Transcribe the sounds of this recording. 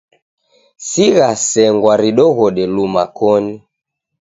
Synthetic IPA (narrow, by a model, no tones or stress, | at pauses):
siɣasɛŋɡwaɾiɗɔɣɔɗɛlumakɔni